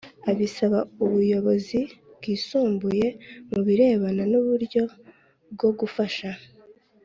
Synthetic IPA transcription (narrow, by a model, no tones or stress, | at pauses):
aβisaβauβujo̞βo̞zibɡiːsuːmbuje̞muβiɾe̞ːβananuβuɾɟo̞ | bɡo̞ɡufaʃa